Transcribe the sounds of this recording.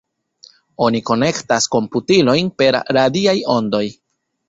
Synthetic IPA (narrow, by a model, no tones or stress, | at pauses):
o̞niko̞ne̞ktasko̞mputilo̞jnpe̞ɾɾadiajo̞ndo̞j